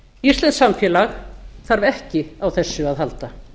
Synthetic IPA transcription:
ir̥st̪lɛnsamfjɛːlaxθaɾvɛhcɪawθɛsːʏaðɦalt̪a

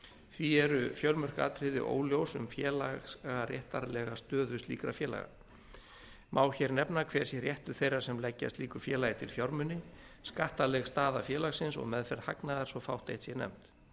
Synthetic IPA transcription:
θviɛɾʏfjœwɾmœr̥ka̰ːt̪ɾɪðɪ̰ʔo̰ːwljowsʏmfjɛːlaɣarjɛht̪aɾlɛɣast̪œːðʏst̪lḭːkɾafjɛːla̰ɣa̰ | mʔaːwçɛɾnɛpnakʰv̥ɛːɾ̥sjɛrjɛht̪ʏ̥θejraɾ̥sɛmlɛcːa̰st̪liːkʏɾ̥fjɛːlajɪt̪ʰɪlfjɔɾmʏnːɪ | skaht̪alɛɣst̪aːðafjɛːlaɣsɪnsɔ̰ɣmɛðfɛɾð̥haknaðaɾ̥sɔfawht̪ejht̪sjɛnɛ̰m̥t̪

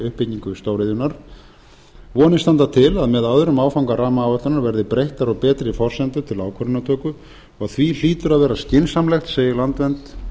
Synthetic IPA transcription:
ʏhpɪcɲiŋkʏɪst̪owɾeðjʏnaɾ̥ | vɔːnɪst̪ant̪at̪ʰɪlaðmɛðawðʏɾʏmaːwfawŋkaraːmaːwvœt̪ʏnaɾvɛɾðɪpɾejht̪aɾɔɣpɛːt̪ɾɪifɔr̥sɛnt̪ʏt̪ʰɪlaːwkʰœɾʏnat̪ʰœːkʏ | ɔɣaθvil̥iːt̪ʏɾaðvɛːɾascɪnsamlɛxt̪seːjɪlant̪vɛnt̪

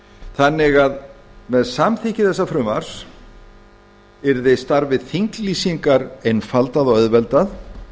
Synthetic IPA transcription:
θanːɪɣaðmɛðsamθihcɪθɛsːafɾʏmaɾ̥s | ɛɾðejst̪aɾvɪθiŋkliːsiŋkaɾejnfalt̪aðɔɣœðvɛlt̪að

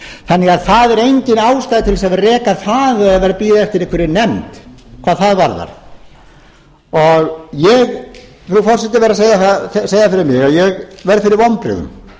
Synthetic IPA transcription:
θanːɪɣaðθaðɛɾejɲcɪnaːwst̪ajðɪt̪ʰɪlsavrɛːkaθaðɛðaðvɛːɾapiːðaɛft̪ɪɾɪhkʰvɪɾɪnɛmt̪kʰvaːðθaðvaɾða̰ɾ̥ | ɔɣjɛɣ | pɾuɣfɔrsɛt̪ɪvɛɾaseːjaθaseːjafɪɾɪɾmɪɣaðjɛɣvɛɾðfɪɾɪɾvɔmpɾɪ̰ðʏ̰m

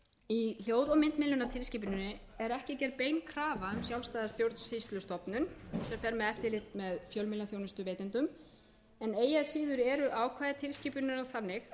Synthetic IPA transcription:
il̥joːwɾɔmɪnt̪mɪnlːʏnat̪ʰɪlsciːpʏnʏnːɪ | ɛɾɛhcɪcɛɾpeːjnkʰɾaːvaʏmsjawlst̪aːðaɾst̪jowɾt̪nsist̪lʏst̪ɔpnʏnsɛmfɛɾmɛðɛft̪ɪlɪt̪mɛðfjœlmɪlaθjownʏst̪ʏveːjt̪ɪnt̪ʏm | ɛneːjasiːðʏɾɛɾʏʔaːwkʰvaːjðɪt̪ʰɪlsciːpʏnɪnɔθanːɪx

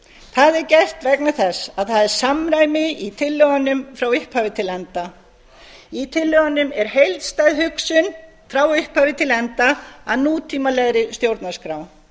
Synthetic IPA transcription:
θaðɛɾcɛr̥t̪vɛknaθɛsaðθaðɛɾ̥samɾaːjmɪit̪ʰɪlːœɣanːʏmfɾawɪhphaːvɪt̪ʰɪlɛnt̪a | it̪ʰɪlːœɣanːʏmɛɾ̥ɦejlt̪st̪ajðɦʏksʏn | fɾawɪhphaːvɪt̪ʰɪlɛnt̪aaðnuːt̪ʰiːmalɛɣɾɪst̪jowɾt̪naskɾaːw

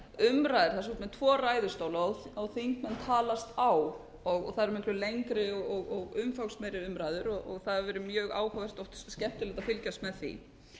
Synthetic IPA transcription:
ʏmɾajðɪɾ̥θas̬ɔt̪mɛt̪ʰvɔːraːjðʏst̪oːwlaawθiŋkmɛnt̪ʰaːlast̪aw | ɔɣθaðɾmɪhklʏlejŋkɾɪɔɔɣɔɣʏmfawkst̪mɛɾɪʏmɾaːjðʏɾɔʔɔɣθaðvɛɾʏmjœːɣa̰ːwhaðɛr̥t̪ɔwht̪scɛht̪ɪlɛt̪afɪlcast̪mɛðθḭ

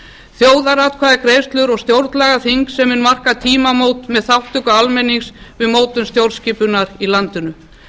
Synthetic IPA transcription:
θjoːwðaɾat̪kʰvaːðakɾeːjst̪lʏɾɔɣst̪jowɾt̪lɛɣaθiŋksːɛmːʏnmar̥kat̪ʰiːmamowt̪mɛðθawht̪ʏkaalmɛniŋsvɪðmoːwt̪ʏnst̪jowlsciːpʏnaɾilant̪ʏnʏ

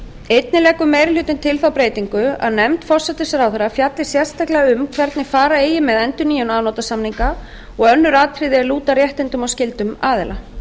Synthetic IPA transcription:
ejt̪̚nɪlɛːkʏmɛːjɾɪlʏt̪ɪnt̪ʰɪlθawpɾeːjt̪iŋkʏa̰ðnɛmt̪fɔr̥sɛt̪ɪsɾawθɛɾafjat̪lɪsjɛr̥st̪ahklɛɣaʏmkʰvɛɾt̪nɪfaːɾaeːjɪmɛðɛnt̪ʏɾniːjʏnaːðnɔwt̪asamniŋka | ɔɣœnːʏɾaːt̪ʰɾɪðɪɛɾluːt̪arjɛht̪ɪnt̪ʏmawscɪlt̪ʏmaːðɪla

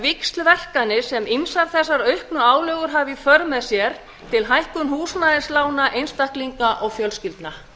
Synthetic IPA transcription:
vɪkst̪lvɛr̥kanɪsɛminsaɾθɛsːaɾœɥhknʏaːwlœːɣʏɾɦaːvifœɾmɛðsjɛɾ̥ | t̪ʰɪlɦajhkʏnhuːsnaðɪslaːwnaʔejnst̪ahkliŋkaʔɔɣfjœlscɪlt̪na

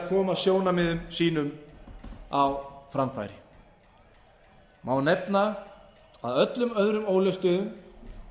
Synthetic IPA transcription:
kʰɔːmaðsjoːwnamɪðʏmsiːnʏm | awfɾamfa̰jɾɪ | mawnejp̚na | a̰ðœt̪lʏmœðɾʏmoːwlœst̪œːðʏm

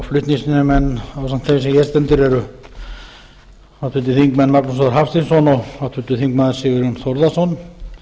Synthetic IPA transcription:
flʏht̪niŋsɪnʏmɛnːawsam̥t̪θejmɪsɛmjɛst̪ɛnt̪ʏɾɛɾʏ | aðt̪ʰʏt̪̬ːɪθiŋkmɛnːmaknɔs̬ɔðaɾɦafst̪insɔnɔɣat̪ʰʏt̪ːʏθiŋkmaːðɪ̥sɪɣʏɾjɔnθɔɾðasɔn

